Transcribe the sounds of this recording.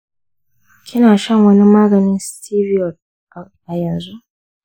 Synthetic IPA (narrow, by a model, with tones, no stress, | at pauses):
kʲʰɪ˦naː˨ʃɐ˦˨ŋwɐ˦ni˦maː˦ɡɐ˨nɪ˦nstiː˦vi˦ɔ˨t̚ | ʔʔa˨jɐ˨nzu˦ʔ